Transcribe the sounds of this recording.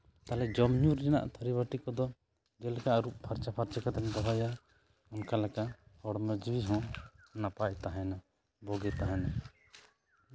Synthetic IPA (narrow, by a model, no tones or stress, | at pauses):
t̪alɛd͡ʒɔmɲuɾd͡ʒɛna̰ʔt̪ʰaɾibaʈikɔd̪ɔ | d͡ʒɛlɛkaʔɾuʔ̚pʰaɾt͡ʃapʰaɾt͡ʃakat̪ɛnbɔɦaja | ɔnkalɛkaʔhɔɽməd͡ʒwiɦɔ̃napac̚t̪aɦɛna | bɔɡɛt̪aɦɛna